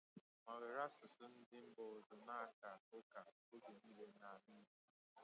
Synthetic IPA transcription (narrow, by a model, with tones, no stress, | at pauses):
ma˨lɪ˨ɾa˦sʊ˨sʊ˦n̩˦dɪ˦m̩˦bɔ˨zʊ˨na˦a˨ka˨o˦ka˨ | o˦ɡe˨ni˦le˨na˨a˨mɪ˦k